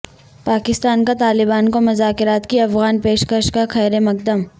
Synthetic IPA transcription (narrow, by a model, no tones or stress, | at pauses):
paːkɪst̪aːnkat̪aːlɪbaːnkomʊzaːkɪɾaːt̪kiɐfɣaːnpeːʃkəʃkakʰɛːɾemɐk̚d̪əm